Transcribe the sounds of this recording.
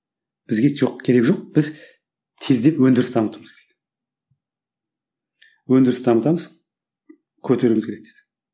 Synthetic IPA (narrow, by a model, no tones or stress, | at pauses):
b̥ɪzɡʲe̞t̪ʰoqkʲʰe̞ɾe̞kʒoqb̥ɪz | t̪ʰe̞zd̪e̞pwɵnd̪ɪɾɪsd̪ɑmət̪əməzkʰeɾek | wɵnd̪ɪɾɪsd̪ʰɑmət̪ɑməz | kʲʰɵt̪e̞ɾumɪzkʲeɾek̚d̪ed̪̥ɪ̥